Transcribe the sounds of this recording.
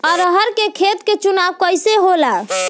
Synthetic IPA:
ɔɾəɦəɾkekʰet̪ket͡ʃunawkəjseɦola

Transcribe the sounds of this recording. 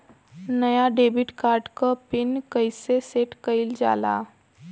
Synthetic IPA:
nəjaɖeːbɪʈkaːɾɖkapɪnkəɪseseʈkəɪld͡ʒa̰ːla̰ː

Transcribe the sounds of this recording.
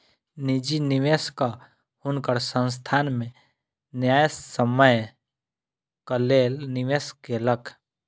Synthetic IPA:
nid͡ʒinɪʋeska | hʊnkəɾsə̃ns̬t̪ʰaːnmẽ | njaːjsəməj | kəleːlnɪʋeːskeləkʰ

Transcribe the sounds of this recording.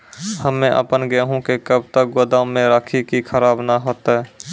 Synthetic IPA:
həmːẽʔə̰pənɡɛɦũkekəb̚t̪ək̚ɡod̪amẽɾaːkʰikikʰəɾaːbnaɦoːt̪aɦɛː

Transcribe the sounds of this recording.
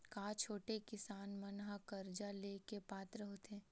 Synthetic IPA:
kaːt͡ʃʰoːʈekɪsaːnmɐnɦakɐɾd͡ʒaleːkepaːt̪ɾəɦoːt̪ɛ̃ː

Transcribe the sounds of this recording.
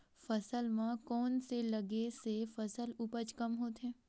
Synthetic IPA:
fɐsəlmãkɔːnselɐɡesefɐsəlʊpət͡ʃkɐmɦoːt̪eɦɛ̃ː

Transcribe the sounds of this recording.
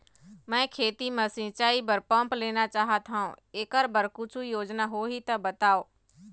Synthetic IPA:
mɛ̃ːkʰeːt̪imə̃sɪ̃t͡ʃaːibəɾpə̃mpleːnat͡ʃaːɦat̪ʰaõeːkəɾbəɾkʊt͡ʃʰujoːd͡ʒnaɦoɦit̪ɐbɐt̪aːoː

